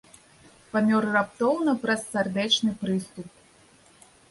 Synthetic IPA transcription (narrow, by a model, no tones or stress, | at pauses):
pamʲɔrːapt̪ɔwnɐpɾɐsːard̪ɛt͡ʂnɨpɾɨst̪up̚